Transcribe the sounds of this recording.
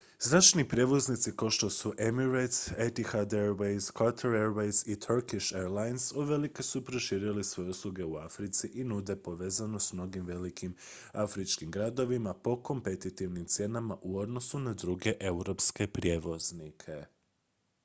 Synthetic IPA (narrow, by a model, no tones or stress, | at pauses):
znat͡ʃnipɾje̞ʋo̞znit̪sikawʃt̪o̞suʔe̞miɾet̪set̪ixad̪eɾʋejskaɾt̪ʰuɾeɾʋejzit̪ʰuɾkiʃeɾlajnsoʋe̞likesupɾo̞ʃiːɾilisʋo̞jeuslˠuɡe̞uafɾit̪siʔinud̪e̞po̞ʋe̞ːzanosmno̞ɡimʋe̞likʰim | afɾit͡ʃkimɡɾad̪o̞ʋimapo̞ko̞mpe̞t̪it̪iʋnimt̪sje̞namaʔuo̞d̪no̞sunad̪ɾuɡe̞ʔe̞uɾo̞pske̞pɾje̞ːʋo̞znikʰe̞